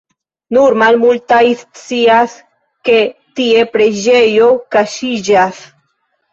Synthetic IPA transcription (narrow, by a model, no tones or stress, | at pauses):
nuɾmalmultajst͡sias | ke̞ | tie̞pɾe̞d͡ʒe̞jo̞kaʃid͡ʒas